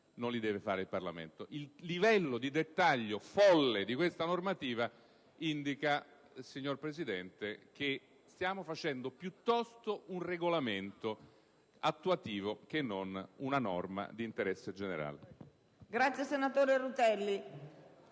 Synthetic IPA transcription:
nonlid̪ɛːvefaːɾeilparlamḛnt̪oʔilːivɛlːod̪id̪et̪ːaʎːofɔlːed̪ikwest̪anormat̪iːva | ind̪ika | siɲːorpɾesid̪ɛnt̪ek̟e | st̪jaːmofat͡ʃɛnd̪opjut̪ːɔst̪ounreɡolament̪o | at̪ːuat̪iːvok̟enːonunanɔrma̰d̪iːnt̪eɾɛsːed͡ʒeneɾa̰ːlḛ | ɡɾat̪sjesenat̪oːɾeɾut̪ɛlːi

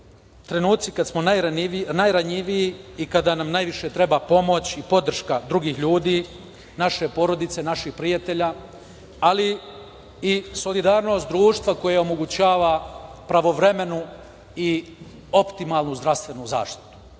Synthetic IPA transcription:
t̪ɾe̞nuːt̪sikad̪smo̞najnajɾaɲiʋijiikad̪anamnajʋiʃe̞t̪ɾe̞bapo̞mo̞t͡ɕipo̞d̪r̩ʃkad̪ɾuɡiːxʎuːd̪iː | naʃe̞po̞ɾo̞d̪it̪se̞naʃixpɾijat̪e̞ʎa | ali | iso̞lid̪aːɾno̞ːst̪̚d̪ɾuːʃt̪ʋako̞jao̞mo̞ɡut͡ɕaːʋapɾaʋo̞ʋɾeme̞nu | i | o̞pt̪imalˠnuzd̪ɾaʋst̪ʋe̞nuza̰ːʃt̪i̥t̪u̥

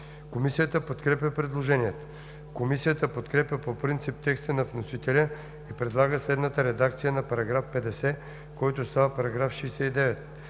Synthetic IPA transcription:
komisijət̪əpot̪kɾɛpʲəpɾɛd̪lˠoʒɛniɛt̪o̥ | komisijət̪əpot̪kɾɛpʲjəpopɾint̪sip̚t̪ɛkst̪ənɐvnosit̪ɛlʲə | ipɾɛd̪lˠaɡəslɛd̪nət̪əɾɛd̪akt̪sijənɐpɐɾɐɡɾafpɛd̪ɛsɛ | kɔjt̪ost̪avəpɐɾɐɡɾafʃɛjsɛid̪ɛvɛt̪̚

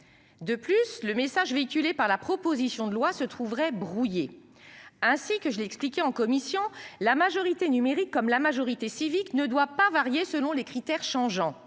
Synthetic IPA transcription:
d̪əplysləmesaʒveikʲylepaʁlapχɔpozisjɔ̃d̪əlwasət̪χuvʁɛbʁuje | ɛ̃sikəʒəleɛksplikʲɛɑ̃kɔmisjɔ̃lamaʒɔʁit̪enymeʁikːɔmlamaʒɔʁit̪esiviknəd̪wapavaʁjesəlɔ̃lekχit̪ɛʁʃɑ̃ʒɑ̃

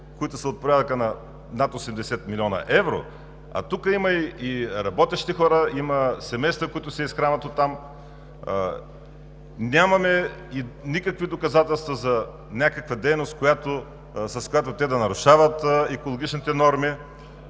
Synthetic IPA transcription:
koit̪ʊsɐot̪̚poɾʲad̪ɐkənɐ | nat̪osɛmd̪ɛsɛt̪milʲɔnɐ̰ʔɛvɾo̰ | ɐ̰t̪ukəimɐiiɾɐbɔt̪ɛʃt̪ixɔɾəimɐsɛmɛjst̪vəkoit̪ʊsɛisxɾanɐt̪ot̪ːam | nʲamɐmɛinʲikəkvid̪okɐzat̪ɛlˠst̪vɐzɐ | nʲakəkvɐd̪ɛjnost̪̚kojat̪o | sɐskojat̪ʊt̪ɛd̪ɐnɐɾʊʃavɐt̪ɛkolˠoɡʲit͡ʃnit̪ɛnɔɾmi

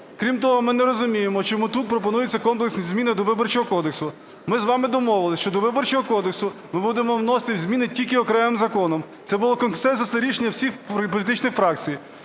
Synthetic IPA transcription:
kɾʲimt̪ɔɦɔmɪnɛɾɔzʊmʲijemɔt͡ʃɔmut̪ut̪̚pɾɔpɔnujɪt͡sʲːɐkɔmpleksʲnʲizʲmʲinɪd̪ɔʋɪbɔrt͡ʃɔɦɔkɔd̪eksʊ | mɪzʋɑmɪd̪ɔmɔʋɪlˠɪʃt͡ʃɔd̪ɔʋɪbɔrt͡ʃɔɦɔkɔd̪eksʊmɪbud̪emɔwnɔst̪ɪwzʲmʲinɪtʲilʲkɪɔkɾɛmɪmzɐkɔnɔmt̪sɛbʊlˠɔkɔnsɛnsɔst̪ɐɾʲiʃenʲːɐwsʲixpɔlʲit̪ɪt͡ʃnɪxfɾɑkt͡sʲij

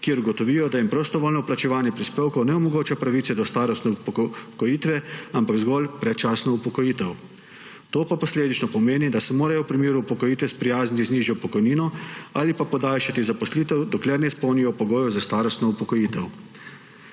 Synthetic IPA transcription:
kiɛɾɡɔt̪ɔʋiːjɔd̪ajimpɾɔst̪ɔʋoːlnɔplat͡ʃɛʋaːnjɛpɾispeːwkɔwnɛɔmɔɡoːt͡ʃapɾaʋit̪sɛd̪ɔst̪aːɾɔst̪nɛupkɔjiːt̪ʋɛampaɡzɡɔlpɾɛt̪̚t͡ʃaːsnɔupɔkɔjiːt̪ɛw | t̪oːpapɔsleːd̪it͡ʃnɔpɔmeːnid̪asɛmoːɾajɔwpɾimeːɾuupɔkɔjiːt̪ʋɛspɾijaːznit̪izniːʒiɔpɔkɔjniːnɔaːlipapɔd̪aːlʃat̪izapɔsliːt̪ɛwd̪ɔklɛɾnɛispɔwnijɔpɔɡoːjɔzast̪aːɾɔst̪nɔupɔkɔjiːt̪ɛw

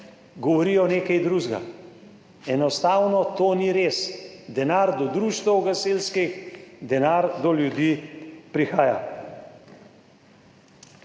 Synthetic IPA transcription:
ɡɔʋɔɾijɔneːkajd̪ɾuːʒɡa̰ | ɛnɔst̪aːwnɔt̪oːniɾeːsd̪ɛnaːɾd̪ɔd̪ɾuːʃt̪ɐwɡaseːlskixd̪ɛnaɾd̪ɔljud̪iːpɾixaːja̰

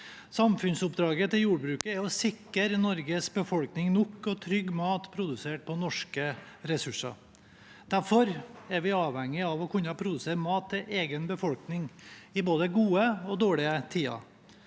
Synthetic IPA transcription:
sɑmfʉnsʊpd̪ɾɑːɡət̪ɪljuːɖbɾʉːkəæɔsɪkːəɾnɔɾɡəsbəfɔlknɪŋnɔkːɔt̪ʰɾʏɡːmɑːt̪pʰɾʊd̪ʉseːʈ̚pʰɔnɔʂkə | ɾɛsʉʂɑ̰ | d̪̥æɾfɔɾæɾʋɪɑːʋhɛŋːɪɑʋɔkʰʉnːɑpʰɾʊd̪ʉseːɾmɑːt̪ʰːɪlʔeːɡənbəfɔlknɪŋɪboːd̪əɡuːəɔd̪oːɭɪət̪ʰiːɑ̰

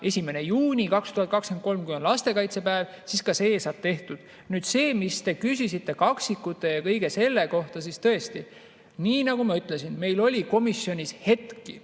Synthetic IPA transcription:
e̞sʲime̞ne̞juːnʲikɑkst̪uhɑt̪̚kɑksken̚ko̞lmkuyenlɑst̪e̞kɑjt̪se̞pæevsiskɑseːsɑt̪ːe̞ht̪ud̪̥ | nyːd̪̥se̞ːmist̪e̞kysisit̪ːˑe̞kɑksikːˑut̪ːˑe̞jɑkɤ̞jɡe̞se̞lːe̞ko̞ht̪ɑsist̪ɤ̞est̪i | niːnɑɡ̥umɑyt̪ːˑle̞sinme̞jlo̞lʲiko̞misjo̞nʲishe̞t̪ki

